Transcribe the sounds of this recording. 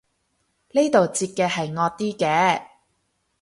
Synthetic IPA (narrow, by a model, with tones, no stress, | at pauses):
le˥jt̪o˨wt͡siː˧t̚kɛː˧hɐ˨jŋɔː˧t̪iː˥kɛː˨˧